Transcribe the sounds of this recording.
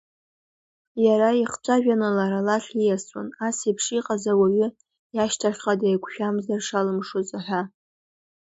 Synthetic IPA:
jaɾaiχt͡ʃʷʼaʒᶣanɨlaɾalaɬijaswa̰nasepʰʂiqʼazawaɥʏ | jaʃtʰaχʲχadajkʷʰʃᶣamzarʂalɨmʂozʼɨħʷᶣa

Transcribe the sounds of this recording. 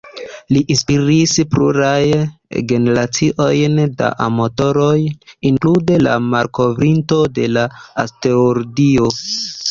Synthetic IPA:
liʔinspiɾispɾuɾajɡe̞ne̞ɾat͡siʔo̞jnda̰ʔamoto̞ɾo̞jiŋklude̞la̰maɾko̞vɾinto̞de̞laaste̞oɾɡio̞

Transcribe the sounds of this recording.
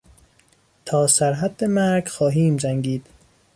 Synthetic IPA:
t̪ʰɒːsæɾɦæd̪ːemæɾɡxɒːɦiːmzæŋɡiːd̪̥

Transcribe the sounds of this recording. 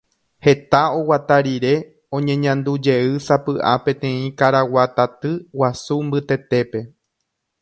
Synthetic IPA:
he̞t̪ao̞wat̪aɾiɾe̞ | õ̞ɲẽ̞ɲãnd̪ud͡ʒe̞ɨsapɨʔa̰pẽ̞t̪ẽ̞ĩkaɾawat̪at̪ɨwasumbɨt̪e̞t̪e̞pe̞

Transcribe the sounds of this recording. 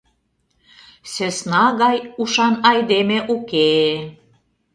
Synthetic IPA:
sesnɑɣɑjuʃɑnɑjd̪emeʔuke

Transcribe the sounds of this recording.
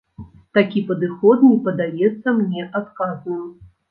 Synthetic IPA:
t̪akʲipɐd̪ɨxɔt̪nʲipɐd̪ajɛt̪sːɐmnʲɛʔat̪kaznɨm

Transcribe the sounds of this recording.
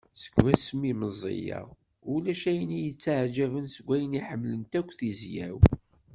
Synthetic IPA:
sə̥ɡwæsəmiməzˤːḭjɑ̰ʁ | ulæʃæjnijət͡sːaʕd͡ʒævənsəɡʷːæjəniħəmːlənt̪ækʷːθizjæ̰w

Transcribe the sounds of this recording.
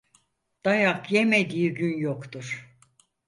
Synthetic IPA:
d̪̥ajakje̞med̪ijiɟynjokt̪uɾ̥

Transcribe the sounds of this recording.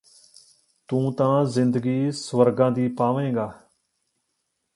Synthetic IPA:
t̪ũːt̪ãːzɪ̃nd̪əɡiːsʋəɾɡãːd̪iːpaːʋẽːɡaː

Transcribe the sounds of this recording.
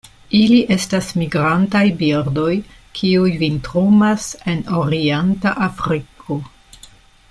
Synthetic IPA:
iliʔe̞stasmiɡɾantajbiɾdo̞jkʰiujvintɾumase̞noɾientaʔafɾikʰo

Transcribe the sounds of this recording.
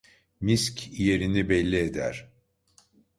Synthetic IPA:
miscʲʰije̞ɾinibɛlʲːied̪æ̰ɾ̥

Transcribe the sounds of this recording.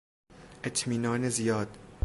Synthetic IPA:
ʔet̪ʰmiːnɒːnezijɒːd̪̥

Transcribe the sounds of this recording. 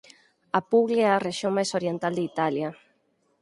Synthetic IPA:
apuɣleeareʃjoŋmajsoɾjent̪ald̪eit̪alja

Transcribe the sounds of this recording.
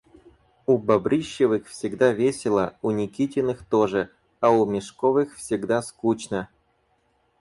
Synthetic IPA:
ubɐbɾʲɨɕːɪvɨxfsʲɪɡd̪avʲesʲɪlˠəunʲɪkʲitʲɪnɨxt̪oʐɨ | aumʲɪʂkovɨxfsʲɪɡd̪askut͡ɕnə

